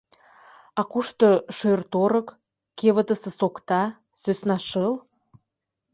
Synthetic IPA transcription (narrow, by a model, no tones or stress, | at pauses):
ɑkuʃt̪ɤʃørt̪oɾə̆k | keβə̆t̪ə̆sə̆sokt̪ɑ | søsnɑʃəl